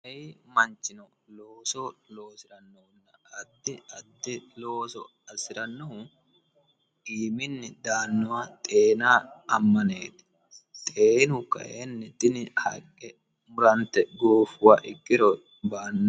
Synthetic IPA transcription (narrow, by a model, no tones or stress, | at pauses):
ɐɪmɐnt͡ʃːɪnɔ | loːsɔlo̞ːsɪɾɐnːɔhʊnːɐɐd̪ːɪɐd̪ːɪloːsɔ̰ | ɐsɪɾɐnːɔhʊ | iːmɪnːɪd̪aːnːʊwat̪ʼeːnaːɐmːɐneːt̪ɪ̥ | t̪ʼeːnʊkɐ̰ʔenːɪt̪ʼɪnɪhɐkʼːɛ | mʊɾɐnt̪ːɛɡoːfʊwaʔɪkʼːɪɾɔ | baːnː